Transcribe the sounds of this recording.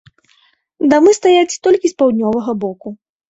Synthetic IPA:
d̪amɨst̪ajat͡sʲt̪ɔlʲkʲispawd̪ʲnʲɔvɐɣɐbɔku

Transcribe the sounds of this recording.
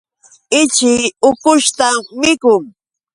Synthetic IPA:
ɪt͡ʃɪʊkʊʃt̪amɪkʊŋ

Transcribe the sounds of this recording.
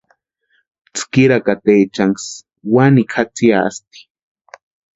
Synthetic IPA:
t͡skiɾakat̪eːt͡ʃaŋs | wanikʰat͡siaa̰st̪i̥

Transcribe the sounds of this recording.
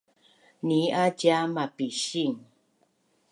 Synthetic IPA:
niʔad͡ʒamapiʃiŋ

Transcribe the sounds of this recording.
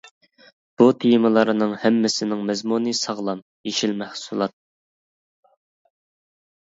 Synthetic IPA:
b̥ut̪ʰijɪmɨlˠɑɾɨnɨŋhɛmːɪsɪnɪŋmɛzmunɨsɑʁlˠɑm | jeʃilmæhsulˠɑt̪̚

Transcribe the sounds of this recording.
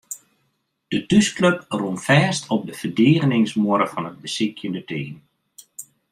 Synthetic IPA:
d̥ətyskløprumfɛːstʰɔp̚dəv̥ərdeːɣənɪŋsmʊɾəfɑnəd̚bəsɪkʰjəndətʰeːn

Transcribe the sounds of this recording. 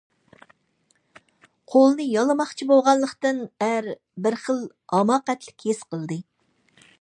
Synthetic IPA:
qʰolˠnɨjɑlˠɨmɑχt͡ʃʰiboʁɑnlːˠəqt̪ɨnæɾ | bɪɾχəlˠ | ɑmɑːqæt̪lɪkʲʰesqʰəlˠd̪ɨ

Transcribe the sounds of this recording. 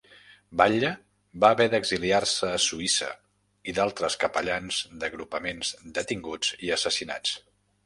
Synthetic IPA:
baʎə | βaːβɛðəɡziliarsəːsuisə̰ | iðalˠt̪ɾəskəpəʎanzd̪əɣɾupəmenzd̪ət̪iŋɡud͡ziəsəsina̰t͡s

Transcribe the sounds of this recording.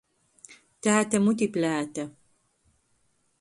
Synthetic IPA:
t̪aːt̪ɐmut̪̬iplaːt̪ɐ

